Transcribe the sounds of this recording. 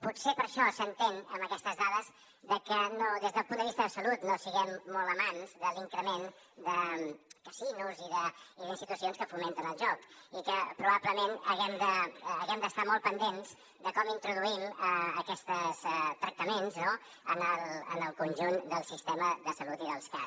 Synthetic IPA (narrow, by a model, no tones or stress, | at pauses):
putsepəɾʃɔsənt̪enə̰məkɛst̪əzðaðəz | ðəkənoðezðəlˠpund̪əβist̪əðəsəlut̪nosiɣɛmːɔlˠəmanzðəliŋkɾəmen | d̪əkəsinuziðəiðinst̪it̪usionskəfument̪ənəlˠʒɔkikəpɾuβabləmenəɣɛmd̪əːɣɛmd̪əst̪amɔlˠpənd̪enz̥ | d̪əkɔmint̪ɾuðuiməəkɛst̪əst̪ɾək̚t̪əmenzno | ənəlˠə̰nəlˠkunʲʒund̪əlˠsist̪eməðəsəlut̪iðəlˠska̰